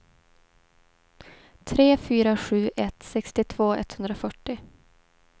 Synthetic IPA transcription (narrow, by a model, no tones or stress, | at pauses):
t̪ʰɾeːfyːɾaɧʉ̟ːʔɛt̪sɛkst̪ɪt̪ʰv̥oːɛ̰t̪ːhɵnd̪ɾafœʈːɪ